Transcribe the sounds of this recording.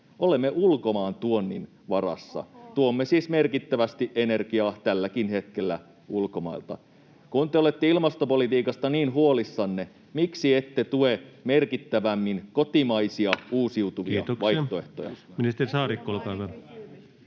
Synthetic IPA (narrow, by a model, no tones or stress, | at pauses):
ʔolemːeʔulko̞mɑːnt̪uonːḭn | ʋɑrɑ̰sːɑ̰t̪uomːesiːsmerkit̪ːæʋæst̪iʔene̞rkiɑːt̪ælːækinhe̞t̪kelːæ̰ | ulkomɑ̰ilt̪ɑ̰ | kunt̪eolet̪ːeilmɑst̪opolit̪iːkɑst̪ɑniːnɦuolisːɑnːe | miksiet̪ːet̪uemerkit̪ːæʋæmːinkot̪imɑisiɑuːsiut̪uʋiɑ̰ʋɑj̪oe̞ht̪o̰jɑ̰minist̪erisɑːɾikːolkɑːʋɑl